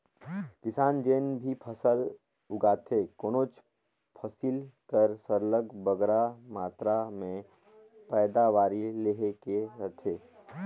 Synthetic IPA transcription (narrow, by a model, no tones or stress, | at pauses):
kɪsaːnd͡ʒeːnbʱipʰəsəl | ʊɡaːt̪ʰekoːnoːt͡ʃ | pʰəsilkəɾsəɾləɡbəɡɾamaːt̪ɾamẽ | pɛːd̪aʋaːɾileːɦekeɾət̪ʰeː